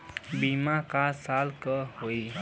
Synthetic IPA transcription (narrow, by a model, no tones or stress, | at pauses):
bimakasalkəɦoi